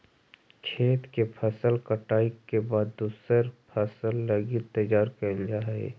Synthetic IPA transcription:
kʰeːt̪kepʰəsəlkəʈaːikːebaːd̪d̪uːsəɾpʰəsəlːəɡit̪əjaːɾkəld͡ʒaːḛ

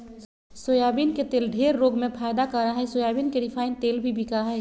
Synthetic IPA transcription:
sojaːbinket̪eːlɖʱeːɾːoːɡmẽpʰaːɪd̪akaɾaɦɛsoːjaːbiːnkeɖɪpʰaːɪnt̪eːlbʱibʱikaɦɛː

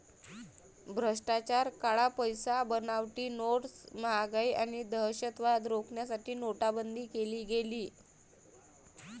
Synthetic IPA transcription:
bʱɾəʂʈat͡ɕaɾkaɭapəjsabənaʋʈiːnoʈsməɦaɡajʔaɽ̃id̪əɦɕət̪ʋad̪ɾokɳjasaʈiːnoʈabənd̪ʱiːkeliːɡeliː

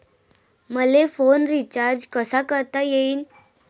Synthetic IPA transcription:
məlefonɾit͡ɕaɾd͡ʑkəsakəɾt̪ajeiːn

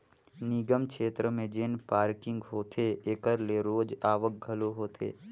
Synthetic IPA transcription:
nɪɡəmkʰeːt̪ɾəmẽd͡ʒɪnpaːɾkɪ̃ŋɡɦoːt̪ʰeeːkəɾleɾoːd͡ʒaːʋək̚ɡʱɐloɦoːt̪ʰḛː

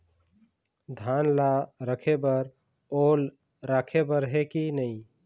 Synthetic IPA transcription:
d̪ʱanlaɾəkʰebəɾ | ol | ɾakʰebəɾɦekinəĩ

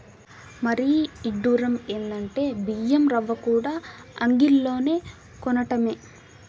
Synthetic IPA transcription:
mɐɾiiɖːuːɾɐmeːnd̪ɐɳʈe̞ːbijɐmɾɐʋːɐkuːɽaːɐŋɡilːo̞ːne̞ː | kɔnɐʈɐme̞ː

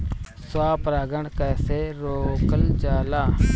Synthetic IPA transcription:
sʊwaːpɾaːɡəɳkɛːseːɾoːkəld͡ʒaːlaː

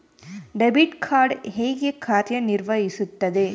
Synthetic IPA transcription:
ɖɛbɪʈkʰaːɾɖhejɡekʰːaːɾjɐnɪɾʋɐjɪsɯt̪ːɐðɯ

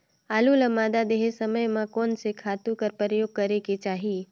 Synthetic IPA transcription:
aluləmad̪ad̪eɦesəməjmãkonsekʰat̪ũkəɾpəɾəjoɡ̚kəɾeket͡ʃaɦi

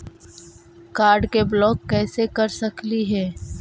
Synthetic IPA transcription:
kaːɾɖkeblɔːkːɛːsekɐɾsɐkliɦɛː

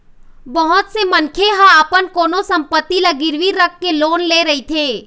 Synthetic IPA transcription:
bəɦʊt̪semənkʰeɦãaːpənkoːnosɐ̃mpət̪ːilaɡɪɾʋiɾəkʰːeloːnleːɾɐɦit̪ʰeː

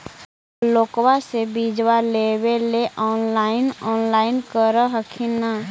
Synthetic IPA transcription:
loːkwasebiːd͡ʒwaleweleʔɔːnlaːɪnɔːnlaːɪnkəɾəɦəkʰina

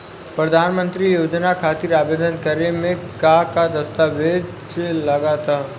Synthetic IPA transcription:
pɾɐd̪ʱaːnmə̃nt̪ɾijoːd͡ʒnakʰaːt̪iɾaːbeːd̪ənkəɾemẽkakad̪ɐst̪aːʋeːd̪ | selɐɡat̪ʰaː

